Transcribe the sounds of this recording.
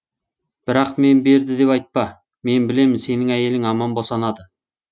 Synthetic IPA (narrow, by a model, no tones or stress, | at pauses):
b̥ɪɾɑqme̞nbe̞ɾd̪ɪd̪e̞pɑjt̪̚pɑ | me̞nbɪle̞mɪnse̞nɪŋæje̞lɪŋɑmɑnbosɑnɑd̪ə